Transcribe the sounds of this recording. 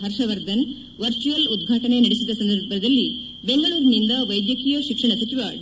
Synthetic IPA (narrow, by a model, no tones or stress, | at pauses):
ɦɐɾʂɐʋɐɾd̪ɐn | ʋɐɾt͡ʃuʋɐlud̪̚ɡʱaːʈɐɳe̞nɐɽisid̪ɐsɐnd̪ɐɾbɐɾd̪ɐlːi | be̞ŋɡɐɭuːɾnind̪ɐʋɐjd̪jɐkijɐʃikʂɐɳɐt͡ʃit̪ʋɐɖ